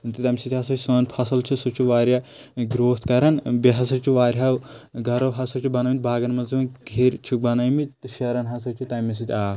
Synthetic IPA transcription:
t̪ɨt̪ɐmʲsit̪ʰʲɦɐsɐt͡ʃʰʲsɐːnpʰɐsɐlt͡ʃʰisut͡ʃʰuʋaːɾʲja | ɡɾoːt̪ʰkɐɾɐnbiɦɐs̬ɐɾt͡ʃʰiʋaːɾʲɦawɡʱɐɾɐwɦɐsɐɾt͡ʃʰibɐnɐːmit̪̚ʲbʱaːɡɐnmɐnzimɐɡʱeɾʲt͡ʃʰubɐnɐjmit̪t̪ɨʃɐɾɐnɦɐsɐɾt͡ʃʰit̪ɐmʲɐs̬it̪ʲʰaː

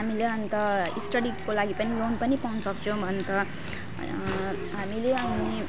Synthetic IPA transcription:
ɦamileʌnt̪ʌḭsʈʌɽikkːolaɡipʌnilonpʌnipaũnsʌkt͡sʰʌ̃w̃bʱʌnk̪ʌ | ɦamileʌni

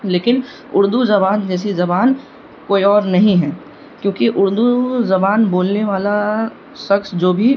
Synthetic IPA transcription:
leːkɪn | ʊɾd̪uzɐbaːnd͡ʒɛːs̬izɐbaːn | koːiɔːɾnɐɦĩɦɛː | kjõːkiʔʊɾd̪uzɐbaːnboːlneʋaːla | ʃɐksd͡ʒoːbʱi

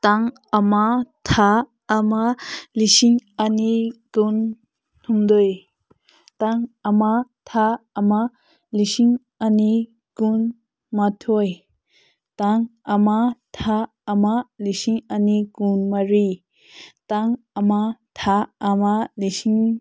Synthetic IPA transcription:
taŋ | amatʰaː | malisiŋaniɡun | tʰumd̪oj | taŋamatʰaːma | lisiŋ | ani | ɡ̥un | matʰoj | taŋamat̪ʰaː | malisiŋaniɡunmaɾi | taŋ | amat̪ʰaːmalisiŋ

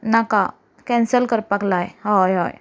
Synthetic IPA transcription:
naka | kɛ̃nsəlkəɾpaklajɦɔjɦɔ̰j

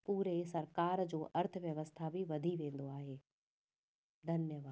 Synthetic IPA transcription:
puːɾesɐɾkaːɾd͡ʑoːʔɐɾt̪ʰəʋjəʋəst̪ʰabʱiʋɐd̪ʱiʋẽːn̆d̪oaːɦeː | d̪ʱɐnjəʋaː

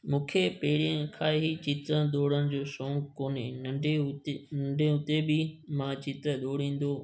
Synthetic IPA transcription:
mũːkʰepeːɪɽiə̃kʰaːeɦit͡ɕit̪əd̪oːɽənɪ̆d͡ʑoːsõːŋkkoːneɐɖenɐ̃ɳɖẽʊt̪ebɪmãt͡ɕit̪əɗ̪oːɽĩːn̆d̪oː

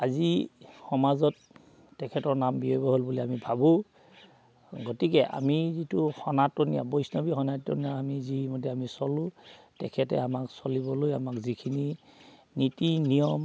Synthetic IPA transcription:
azixɔmazɔtː | ɛkʰɛtɔɹnambiojbɔɦolbuliamibʱabʊ̃ | ɡɔtikɛʔa̰mizituxɔnatːonija̰bojsnɔbixɔnatːo̰nijaamizimɔdɛamisɔlʊ̃ | tɛkʰɛtɛ̰amaksɔlibɔlojamakzikʰini | nitinijɔm

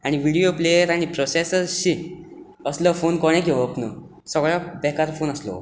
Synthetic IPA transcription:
aɽ̃iʋiɽioplejəɾaɽ̃ipɾɔsesəɾɕi | əsləfonkɔɽ̃ẽk̬iʋɔpnə | səɡɭabɛkaɾfonəslɔ̰

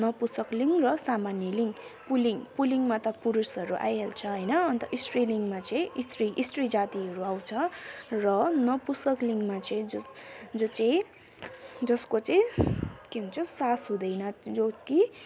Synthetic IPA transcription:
nʌpusʌkliŋɡrʌsamanjʌliŋɡpuliŋɡpuliŋɡmat̪ʌpuɾusɦʌɾuʔa̰jɦelt͡sʰʌɦʌjnʌʌnt̪ʌʔisʈriliŋɡmat͡sʌĩist̪riʔisʈrid͡zat̪iɦʌɾuaw̃t͡sʰʌrʌnʌpusʌkliŋɡmat͡sʌĩd͡zd͡zot͡sʌj̃ | d͡zʌskot͡sʌj̃keɦũnt͡sʰusasɦũd̪ʌjnʌd͡zoki

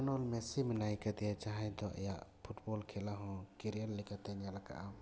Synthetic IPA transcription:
nɔlmɛsimɛnajkad̪ɛjat͡ʃaɦãɲd̪ɔʔa̰jaʔpʰuʈbɔlkʰɛlaɦɔ̃kiɾialːɛkat̪ɛɲalaka̰ʔam

